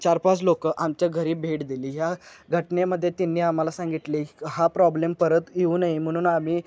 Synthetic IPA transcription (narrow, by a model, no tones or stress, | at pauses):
t͡ɕaɾpat͡slokəʔamt͡ɕjaɡʱəɾiːbʱeʈd̪iliːɦjaɡʱəʈneməd̪ʱːjet̪inːiːam̤alasãŋɡit̪liɦapɾɔblempəɾət̪jeuːnaim̤əɽ̃uːnamiː